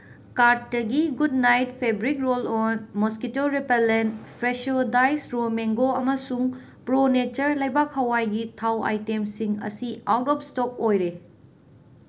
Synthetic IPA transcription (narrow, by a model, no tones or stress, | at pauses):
kaɾt̚ːɐɡiɡud̚najt̚pʰebɾikɾolonmoskitoɾipelentpʰɾesodajsɾomeŋɡoɐmɐsuŋ | pɾonet͡ʃɐɾlɐjbak̚hɐwajɡitʰawa̰jtemsiŋɐ̰siawtɔp̚stɔk̚ojɾe